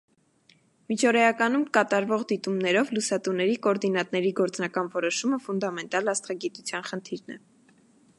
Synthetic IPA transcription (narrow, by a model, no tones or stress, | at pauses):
mit͡ʃʰɔɾɛɑkɑnumkɑt̪ɑɾvɔʁd̪it̪umnɛɾɔvlusɑt̪unɛɾikɔɾd̪inɑt̪nɛɾiɡɔɾt͡snɑkɑnvɔɾɔʃuməfund̪ɑmɛnt̪ɑlɑst̪ʰɑɡit̪ut͡sʰjɑnχənt̪ʰiɾnɛ̰